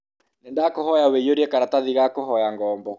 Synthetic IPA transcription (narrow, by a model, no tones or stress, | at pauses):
nendakohɔjawejoɾiɛkaɾataðiɣakohɔjaŋɡɔːmbɔ